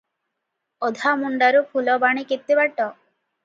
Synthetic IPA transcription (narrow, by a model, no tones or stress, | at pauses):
ɔd̪ʱamuɳɖaɾupʰulɔbaɽ̃iket̪ːibaʈɔ